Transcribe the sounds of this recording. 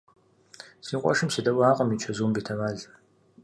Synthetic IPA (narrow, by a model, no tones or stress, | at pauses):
siːqʷʼɔ̰ʃɨmsɨdɐwʷaːqʼɐmit͡ʃʰɐzuːmbitʰɐmaːɮ